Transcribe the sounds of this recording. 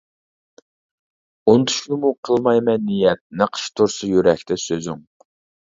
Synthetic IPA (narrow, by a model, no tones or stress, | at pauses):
ont̪ʰy̥ʃkʰʲnɪmuqʰəlˠmɑjmɛnːijɛt̪̚nɑqʰə̥ʃt̪ʰuɾsʊjyɾɛkʲt̪ʰɛsøzyŋ